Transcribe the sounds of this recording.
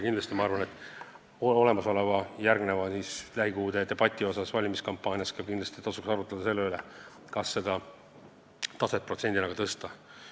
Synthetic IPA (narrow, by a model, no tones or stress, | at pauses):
kind̪lɑst̪imɑɑrvɑne̞t̪ːˑ | oo̞le̞mɑso̞levɑjærɡne̞vɑsislæɦikuːd̪et̪e̞b̥ɑt̪ʲˑːio̞sɑsvɑlʲimiskɑmpːˑɑːnʲjɑskɑkind̪lɑst̪it̪ɑsuksɑɾut̪ːˑed̪̥ɑse̞lːeylḛ | kɑsːe̞d̪ɑ | t̪ɑset̪̚prot̪se̞nʲd̪̥ʲinɑɡ̥ɑt̪ɤst̪ɑ